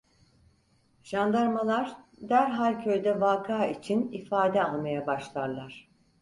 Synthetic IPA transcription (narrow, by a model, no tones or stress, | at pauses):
ʒ̥and̪aɾmalˠaɾd̪æɾɦalʲcʰø̞jd̪ɛvaːkʰaːit͡ʃʰinifaːd̪ɛanˠmajabaʃlˠaɾlˠaɾ̥